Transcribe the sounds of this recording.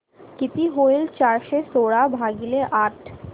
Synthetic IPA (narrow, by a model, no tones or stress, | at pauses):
kit̪iɦoilt͡ɕaɾʃesoːɽabʱaɡileʔaːʈʰ